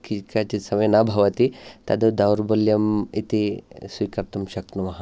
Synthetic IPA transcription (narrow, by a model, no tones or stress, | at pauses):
kikat͡ʃisɐmɐjɐnaːbʱɐʋɐt̪it̪ɐd̪ɐd̪ɐwɾbɐljɐmit̪isʋiːkɐɾt̪ɐmʃɐk̚t̪numɐɦɐ